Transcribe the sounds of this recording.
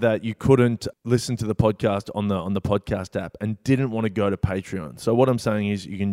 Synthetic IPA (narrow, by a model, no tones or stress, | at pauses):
ðɨt͡ʃɨkʰʊdⁿn̩ʔlɪsn̩tʰɨðəpʰɑd̚kʰæstn̩ðəə̃n̩ðəpʰɑd̚kʰæstæpɨ̃ndɪdⁿn̩ʔwɑ̃ñɨɡoʊɾɨpʰeɪt͡ʃʰɹ̥iɑ̰̃nsoʊwʌɾãɪ̃mseɪɪ̃ŋɪzjɨ̰kɨ̃n